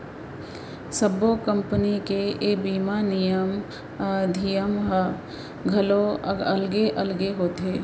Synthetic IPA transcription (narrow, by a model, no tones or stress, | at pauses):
səbokə̃mpənikeebiːmanijəm | d̪ʱijəmɦə | ɡʱɐəloəlɡeʔəlɡeɦoːt̪ɦeː